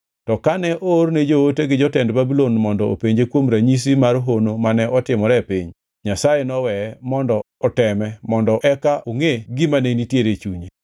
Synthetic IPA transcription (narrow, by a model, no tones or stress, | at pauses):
tɔkanɛʔoɾned͡ʒooteɡɪd͡ʒɔtɛndbabilonmɔndɔo̰peɲd͡ʒekwomɾaɲis̬imaɾɦonomanɛɔtɪmɔɾɛpḭɲ | ɲasajenɔwɛmɔndɔɔtɛmɛmɔndɔʔɛkaʔoŋeɡɪmanenitjeɾet͡ʃuɲe